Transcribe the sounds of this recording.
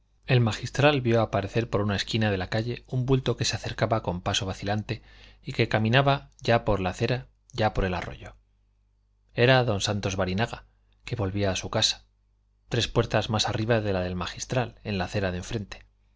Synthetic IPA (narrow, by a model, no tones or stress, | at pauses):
e̞lmaxist̪ɾalβjo̞apaɾe̞θe̞ɾpo̞ɾunae̞skinað̞e̞lakaʝe̞umbult̪o̞ke̞seaθe̞ɾkaβako̞mpaso̞βaθilant̪e̞ | ike̞kamĩnaβaʝapo̞ɾlaθe̞ɾa | ʝapo̞ɾe̞la̰ro̞̰ʝo̞ | e̞ɾaðo̞nsant̪o̞zβaɾinaɣa | ke̞βo̞lβiaːsukasḁ | t̪ɾe̞spwe̞ɾt̪azmasariβaðe̞laðe̞lmaxist̪ɾale̞nlaθe̞ɾaðeɱfɾe̞nt̪e̥